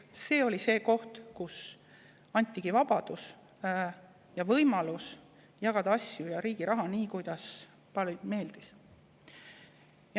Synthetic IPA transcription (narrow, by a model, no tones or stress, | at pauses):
se̞ːo̞lʲise̞ːko̞ht̪kus | ɑnʲt̪ʲːˑiɡ̥ivɑb̥ɑd̪̥us | jɑvɤjmɑlus | jɑɡ̥ɑd̪̥ɑɑsʲjujɑɾiːɡ̥iɾɑɦɑniːkujd̪̥ɑs | pɑlme̞ːld̪̥is | j